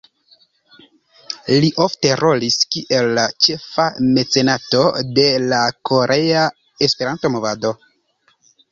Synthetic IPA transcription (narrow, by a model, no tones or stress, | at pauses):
liʔo̞fte̞ɾo̞liskiʔe̞lːat͡ʃe̞fame̞t͡se̞nato̞de̞lakʰo̞ɾʔe̞a | e̞spe̞ɾanto̞mo̞vado̞